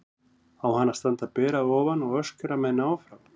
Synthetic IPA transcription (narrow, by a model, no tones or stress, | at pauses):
awhanːḁɾst̪ant̪apɛːɾaðɔːvanɔɣœscʏɾamɛðnaːwfɾam